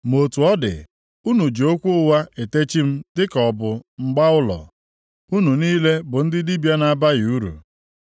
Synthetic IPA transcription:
mo˨tu˨ɔ˦dɪ̰˨ | u˦nu˨d͡ʒo˦kʷu˦ʊ˦wa˦e˨te˦t͡ʃi˦m̩˦tɪ˦kɔ˨bʊ˨ŋ͡m̩˨ɡ͡ba˦ʊ˦lɔ̰˨ | u˦nu˨niː˦le˦bʊ˨n̩˦dɪ˦di˦bja˦na˨ba˦ɣu˦ɾṵ˨

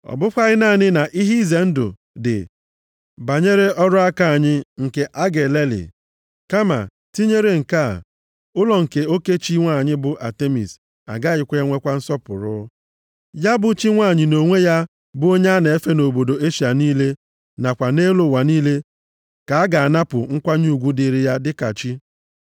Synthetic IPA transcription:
ɔ̰˨bʊ˦kʷa˦ɣɪ˦na˦˨ɲɪ˦na˨ʔi˦ɦi˦ze˨n̩˦dʊ̰˨ | dɪ̰˨ | ba˨ɲe˦ɾe˦ʔɔ˦ɾʊ˦a˦ka˦˨a˨ɲɪ˦ŋ̩˨ke˨ʔa˦ɡe˨le˦lḭ˨ | ka˦ma̰˨ | ti˦ɲe˦ɾe˦˨ŋ̩˨ka˦˨ | ʊ˦lɔ˨ŋ̩˨ke˨o˦ke˦t͡ʃi˦ŋʷa˦˨ɲɪ˦bʊ˨ʔa˨te˦mḭ˨s | a̰˨ɡa˦˨ɪ˨kʷe˦e˦ŋʷe˦kʷa˦n̩˦sɔ˦pʊ̰˨ɾʊ˦ | ja˦bʊ˦t͡ʃi˦ŋʷa˦˨ɲɪ˨no˨ŋʷe˦ja˦ | bʊ˦o˦ɲa˦ne˨e˦fe˦no˨bo˨do˨e˦ʃi˨a˨niː˦le˦ | na˨kʷa˨ne˦lo˨wa˨niː˦le˦ | ka˨a˦ɡa˨a˨na˦pʊ˨ŋ̩˦kʷa˦ɲu˦˨ɡʷu˦di˨ɾi˨ja˦dɪ˦ka̰˨t͡ʃi˦

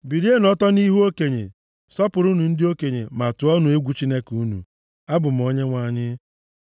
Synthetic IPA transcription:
bi˨ɾi˦e˦nɔ˦tɔ˦ni˦ɦu˦o˦ke˨ɲḛ˨ | sɔ˦pʊ˨ɾʊ˦nu˨n̩˦dɪ˦o˦ke˨ɲḛ˨ma˨tʊ˨˦ɔ˦nʊ˨e˦ɡʷu˦t͡ʃi˦ne˦ku˦nṵ˨ | a˦bʊ˨m̩˨o˦ɲe˦ŋʷa˨ɲɪ˦

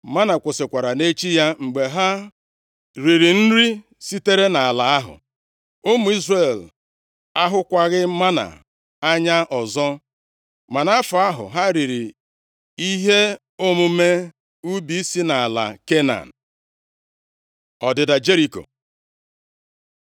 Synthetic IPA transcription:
ma˦na˨kʷʊ˨sɪ˨kʷa˨ɾa˨ne˦t͡ʃi˦ja˦ŋ͡m̩˨ɡ͡be˨ɦa˦ | ɾi˨ɾi˨n̩˦ɾi˦ | si˦te˦ɾe˦na˨a˨la˨a˦ɦʊ̰˨ | o˦mu˨i˦zre˨l | a˦ɦʊ˦kʷa˦ɣɪ˦ma˦na̰˨ | a˦ɲa˦ʔɔ˨zɔ˦ | ma˨na˦fʊ˨a˦ɦʊ̰˨ɦa˦ɾi˨ɾi˨ | i˦ɦe˦ | o˦mʊ˨me˦ | u˦bi˦i˦si˦na˨a˨la̰˨ke˦na̰˨n̩˨ | ɔ˨dɪ˨da˨d͡ʒe˦ɾi˨ko̰˨

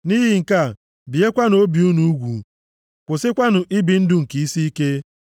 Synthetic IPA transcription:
ni˦ɦɪ˨ŋ̩˨ka˦˨ | bi˨e˦kʷa˦no˦bi˨u˦nu˨˦ɡʷṵ˨ | kʷʊ˨sɪ˦kʷa˦nʊ˨ʔi˦bi˨n̩˦dʊ˨ŋ̩˨ki˨i˦si˦i˦ke˦

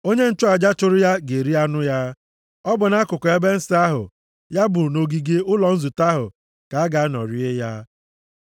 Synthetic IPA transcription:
o˦ɲe˦n̩˦t͡ʃʊ˦a˨d͡ʒa˦t͡ʃʊ˦ɾʊ˦ja˦ɡe˨ɾi˦a˦nʊ˦ja˦ | ɔ˦bʊ˨na˦kʊ˨kʊ˨e˦be˦n̩˦sɪ˦a˦ɦʊ̰˨ | ja˦bʊ˨no˨ɡi˨ɡe˦ʊ˦lɔ˨n̩˦zu˨ta˦ɦʊ̰˨ | ka˨a˦ɡa˨˦nɔ̰˨ɾi˦e˦ja˦

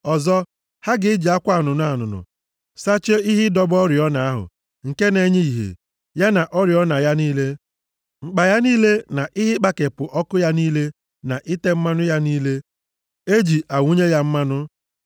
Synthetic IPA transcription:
ɔ˨zɔ˦ | ha˦ɡɪ˨˦ɪ˦d͡ʒi˨a˦kʷa˦˨nʊ˨n˦a˨nʊ˨nʊ̰˨ | sa˦t͡ʃe˦i˦ɦɪ˦dɔ˦bɔ˦ɾjɔ˦na˨a˦ɦʊ̰˨ | ŋ̩˨ke˦ne˦ɲe˦i˨ɦḛ˨ | ja˦na˨ʔɔ˦ɾjɔ˦na˨ja˦niː˦le˦ | ŋ͡m̩˨k͡pa˨ja˦niː˦le˦na˨ʔɪ˦ɦɪ˦k͡pa˦ke˨pʊ˨ʔɔ˦kʊ˦ja˦niː˦le˦ | na˨ʔɪ˦te˦m̩˦ma˦nʊ˦ja˦niː˦le˦ | e˦d͡ʒi˨ʔa˨wʷu˦ɲe˦ja˦m̩˦ma˦nʊ˦

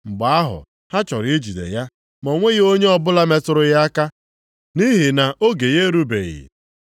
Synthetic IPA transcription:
ŋ͡m̩˨ɡ͡ba˨a˦ɦʊ̰˨ | ha˦t͡ʃɔ˨ɾi˦d͡ʒi˨dḛ˨ja˦ | mo˨ŋʷe˦ɣo˦ɲe˦ɔ˦bʊ˦la˦me˦˨tʊ˨ɾʊ˦ja˦a˦ka˦ | ni˦ɦi˨na˨o˦ɡe˨je˦ɾu˦bḛ˨ɣḭ˨

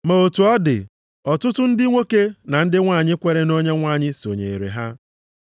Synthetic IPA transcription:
ma˨o˨tu˨ɔ˦dɪ̰˨ | ɔ˨tʊ˦tʊ˦n̩˦dɪ˦ŋʷe˦ke˦na˨n̩˦dɪ˦ŋʷaː˦˨ɲɪ˦kʷe˦ɾe˦no˦ɲe˦ŋʷa˦˨ɲɪ˦so˨ɲe˨i˨ɾḛ˨ɦa˦

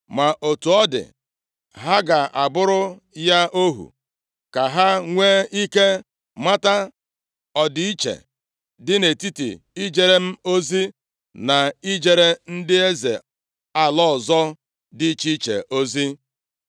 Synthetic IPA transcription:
ma˨ʔo˨tu˨ɔ˦dɪ̰˨ | ɦa˦ɡa˨ʔa˨bʊ˦ɾʊ˦ | ja˦ʔo˦ɦṵ˨ | ka˨ɦa˦ŋʷeː˦i˦ke˦ | ma˦ta˦ | ɔ˨dɪ˨i˦t͡ʃḛ˨ | dɪ˦ne˨ti˦tḭ˨ | i˦d͡ʒe˨ɾe˦m̩˦o˦zi˦ | na˨i˦d͡ʒe˨ɾe˦n̩˦dɪ˦e˦zḛ˨ | a˨lɔ˦˨zɔ˦ | dɪ˦t͡ʃi˦t͡ʃḛ˨ʔo˦zi˦

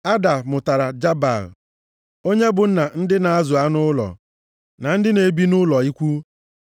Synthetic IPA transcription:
a˦da˨mʊ˨ta˨ɾa˨d͡ʒa˦ba̰˨l̰ | o˦ɲe˦bʊ˨n̩˦na˨n̩˦dɪ˦na˨a˦zʊ˨a˦nʊ˦lɔ̰˨ | na˨n̩˦dɪ˦ne˨bi˦nʊ˦lɔ˨i˦kʷu˦

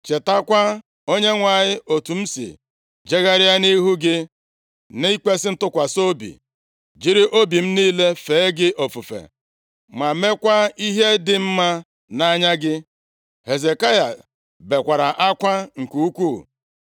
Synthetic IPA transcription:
t͡ʃe˨ta˦kʷa˦ | o˦ɲe˦ŋʷa˨ɲɪ˦ʔo˨tu˨m̩˦sḭ˨ | d͡ʒe˦ɣa˦ɾɪ˦a˦ni˦ɦu˦ɡɪ˦ | ni˦i˦k͡pe˦sɪ˦n̩˦tʊ˦kʷa˨so˦bḭ˨ | d͡ʒi˦ɾɪ˦ʔo˦bi˨m̩˦niː˦le˦fe˨e˦ɡɪ˦ʔo˨fu˨fḛ˨ | ma˨me˦kʷa˦i˦ɦe˦dɪ˨m̩˦ma˦ | na˦ɲa˦ɡɪ˦ | he˨ze˨ka˦ja̰˨ | be˨kʷa˨ɾa˨ʔa˦kʷa˦ŋ̩˨ku˦u˦kʷu˦˨

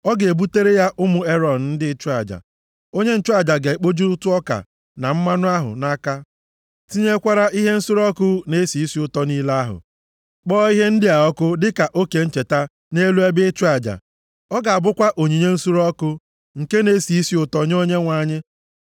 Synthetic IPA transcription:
ɔ˦ɡe˨bu˦te˦ɾe˦ja˦ʔʊ˦mʊ˨e˦ɾɔ˨n̩˨n̩˦dɪ˦t͡ʃu˦a˨d͡ʒa̰˨ | o˦ɲe˦n̩˦t͡ʃu˦a˨d͡ʒa˨ɡe˨e˨k͡po˦d͡ʒi˦ʊ˦tʊ˦ɔ˦ka̰˨ | na˨m̩˦ma˦nʊ˦a˦ɦʊ̰˨na˦ka˦ | ti˦ɲe˦kʷa˦ɾa˦ʔi˦ɦe˦n̩˦su˦ɾɔ˦kʊ˦ne˦si˨i˦si˦ʊ˨tɔ˦niː˦la˦ɦʊ̰˨ | k͡pɔː˦i˦ɦe˦n̩˦dɪ˦a˨ɔ˦kʊ˦dɪ˦ka˨ʔo˦ke˨n̩˦t͡ʃe˨ta˦ | ne˦lu˦e˦bɪ˦t͡ʃu˦a˨d͡ʒa̰˨ | ɔ˦ɡa˨a˨bʊ˦kʷa˦ʔo˨ɲi˨ɲe˦n̩˦su˦ɾɔ˦kʊ˦ | ŋ̩˨ke˦ne˦si˨i˦si˦ʊ˦˨tɔ˦ɲ˦o˦ɲe˦ŋʷa˨ɲɪ˦

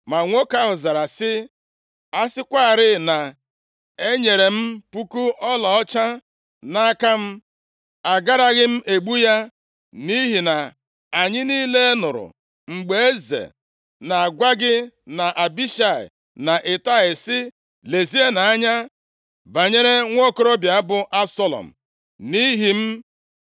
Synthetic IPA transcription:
ma˨ŋʷo˦ka˦ɦʊ˨za˨ɾa˨sɪ˦ | a˦sɪ˦kʷa˦a˨ɾɪ˦na˨ | e˦ɲe˨ɾe˨m̩˦pu˦ku˦ɔ˦lɔ˨ɔ˦t͡ʃa˦ | na˦a˦ka˦m̩˦ | a˨ɡa˦ɾa˦ɣɪ˦m̩˦ʔe˨ɡ͡bu˦ja˦ | ni˦ɦi˨na˨ | a˨ɲɪ˦niː˦le˦e˦nʊ˨ɾʊ̰˨ | ŋ͡m̩˨ɡ͡be˦e˦zḛ˨ | na˨a˨ɡʷa˦ɡɪ˦na˨ʔa˨bi˦ʃa˨ɪ̰˨ | na˨ʔɪ˨ta˦ɪ˨sɪ˦ | le˨zi˦e˦na˨a˦ɲa˦ | ba˨ɲe˦ɾe˦ŋʷ˦o˦kʊ˦ɾo˦bja˨a˦bʊ˨ʔa˦bsɔ˦lɔ̰˨m̩˨ | ni˦ɦi˨m̩˦

